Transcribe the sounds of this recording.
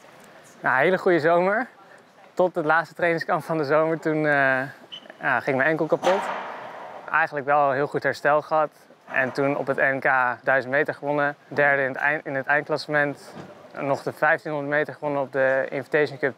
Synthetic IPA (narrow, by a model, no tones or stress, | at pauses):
jaɦejləχujəzowməɹ | tɔt̚dəlaːtstətrejnɪŋskɑntfɑndəzowməɹtun | aχɪŋɪk̚mənɛŋkəl̩ˠkapɔt | ʔɛ̰jχənləkʋɛlˠɦɪːlˠχutɦɛɹstɛlˠχəɦɑt | ɛ̰ntunɔ̰pətɛnkaːdœɥzəntmejtəɹχəʋɔnədɛɹdəɪnɦətɛjnt̚klasəmɛntnɔχdəfɛjftinɦɔndətmejtəɹχəʋɔnənɔp̚dəɪ̰nfitejʃəŋkøp